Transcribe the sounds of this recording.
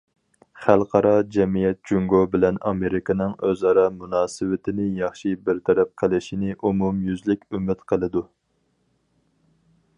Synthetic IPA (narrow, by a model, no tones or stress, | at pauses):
χælˠqʰɑɾɑd͡ʒɛmijɛt̪̚d͡ʒuŋɡobɪlɛnɑ̰meɾɪkʰɪnɨŋøzɑɾɑmunɑːsɨwɪt̪ʰɪnɪjɑχʃibɪɾt̪ʰɛɾɛp̚qʰəlˠɪʃinɪʔumumjyzlɪkʲymɪt̪qʰəlˠɨd̪u